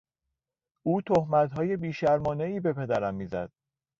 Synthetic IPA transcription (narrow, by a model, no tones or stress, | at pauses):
ʔuːt̪ʰohmæt̪ɦɒːje̞biːʃæɾmɒːne̞iːbe̞pʰe̞d̪æɾæmːiːzæ̰d̪̥̚